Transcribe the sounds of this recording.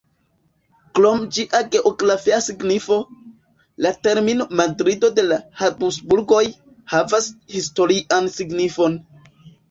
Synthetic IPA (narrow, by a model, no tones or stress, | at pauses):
klo̞md͡ʒiʔaɡe̞ʔoɡɾafiasiɡnifo̞ | late̞ɾmino̞madɾido̞de̞lahabusbuɾɡo̞j | havashisto̞ɾiʔansiɡnifo̞n